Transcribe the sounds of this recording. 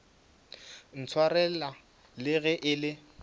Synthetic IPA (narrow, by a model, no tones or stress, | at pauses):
n̩t͡sʰwaɾɛla | lɪɣɛʔɪlɪ